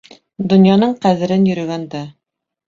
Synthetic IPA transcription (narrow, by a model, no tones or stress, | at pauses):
d̪ŏnjɑnɤɴqæðɘ̆ɾɘnjɵ̆ɾɵ̆ɡænd̪æ